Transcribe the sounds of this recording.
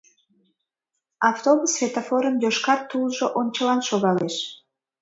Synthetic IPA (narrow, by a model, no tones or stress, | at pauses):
ɑft̪obusfʲet̪ofoɾəmjoʃkɑt̪ːulʒoʔonʲt͡ɕəlɑnʃoɣɑleʃ